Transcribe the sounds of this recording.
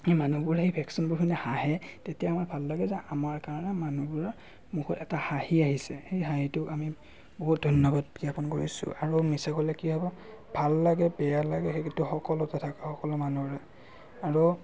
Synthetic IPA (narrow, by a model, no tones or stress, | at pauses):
emanubʊɹejpʰɛksinbʊkʰinɛhaɦɛtetijamaɹbʱalːaɡɛzɛamaɹkaɹɔnɛmanubʊɹa | muxʰɔtɛtahahiaɦisɛxejɦaɦitʊami | boɦut̚dʱɔnjɔbad̚biapɔnkoɹisʊ̰ʔaɹumisakɔlɛkiɦɔbɔ | b̥ʱalːaɡɛbɛjalaɡɛxekintuxɔkɔlɔtɛtʰakaxɔkɔlɔmanuɹɛ | aɹu